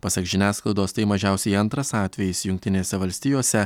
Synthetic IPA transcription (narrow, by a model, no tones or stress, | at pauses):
pɐsʲɐkʒʲɪnʲæːsklˠɐlɪd̪oːst̪ɐɪmɐʒʲæˑʊsʲɛɪɐnt̪ɾɐsɑːt̪ʲʋʲɛjɪsjʊŋʲk̚ʲt̪ʲɪnʲeːsʲɛʋɐlʲsʲt̪ʲɪjoːsʲɛ